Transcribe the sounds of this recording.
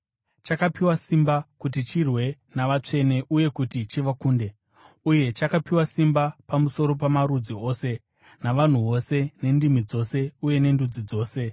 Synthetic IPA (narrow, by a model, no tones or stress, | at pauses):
t͡ʃakapiwasimbakutit͡ʃirwe̞ | naʋat͡ʂe̞ne̞ʔuje̞kutit͡ʃiʋakuːnde̞ | uje̞t͡ʃakapiwasimbapamuso̞ɾo̞p̬amaɾud͡zio̞ːse̞ | naʋan̤uʋo̞se̞ne̞ndimid͡zo̞se̞uje̞ne̞ndud͡zid͡zo̞ːse̞